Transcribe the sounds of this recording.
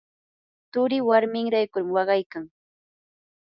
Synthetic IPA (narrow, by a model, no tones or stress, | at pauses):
t̪ʊɾɪwaɾmɪŋɾajkʊɾmwɑɢɑjkaŋ